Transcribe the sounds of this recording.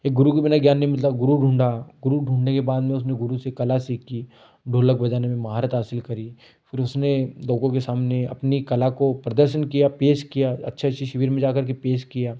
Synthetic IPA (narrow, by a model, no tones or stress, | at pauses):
eːk̚ɡʊɾukibɪnaɡjaːnːeɦĩmɪt̪laɡʊɾuɖʱũːɳɖaɡʊɾuɖʱũːɳɖnekebaːd̪mẽʊs̬neɡʊɾusekɐlasiːkːi | ɖʱoːlək̚bɐd͡ʒaːnemẽmɐɦaːɾət̪ɦaːsɪlkɐɾi | pʰɪɾʊsneloːkõk̬esaːmneɐ̰pnikɐlakopɾɐd̪əɾʃənkijapeːʃkijaɐ̰tːʃʰaʃʰiʃɐʋiːɾmẽd͡ʒaːkɐɾk̬epeːʃkijaː